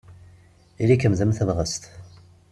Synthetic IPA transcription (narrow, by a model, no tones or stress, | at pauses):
ilikəmzəmθəðʁəst̪